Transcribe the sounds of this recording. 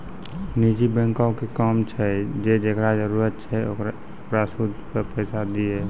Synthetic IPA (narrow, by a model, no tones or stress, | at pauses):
nid͡ʒibɛ̃ŋkãkekɔmt͡ʃʰɛd͡ʒed̪ekʰɾad͡ʒəɾuːɾət̪̚t͡ʃʰɛokɾ | kɾasud̪pəpɛːsad̪ie